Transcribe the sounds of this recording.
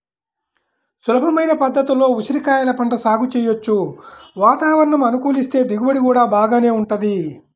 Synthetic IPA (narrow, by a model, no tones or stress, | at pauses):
sulɐbʱɐmɐjnɐpɐd̪ːɐt̪ulo̞ːuʃiɾikaːjalɐpɐɳʈɐsaːɡut͡ʃɛːjot͡ʃːuʋaːt̪aːʋɐɾɐɳɐmɐnukuːlist̪e̞ːd̪iɡubɐɽikuːɽaːbaːɡaːne̞ːuɳʈud̪i